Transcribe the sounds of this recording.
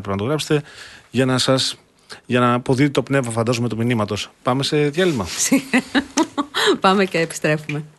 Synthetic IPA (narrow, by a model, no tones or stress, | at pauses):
pɾeinɐt̪oɾɐpfset̪e̞ʝɐnɐsɐs | ʝɐnɐpo̞ðit̪et̪o̞pne̞vmɐfɐnd̪ɐzume̞t̪uminimɐt̪o̞spɐme̞se̞ðʝɐlimɐsi | pɐmeceːpi̥st̪ɾe̞fume̞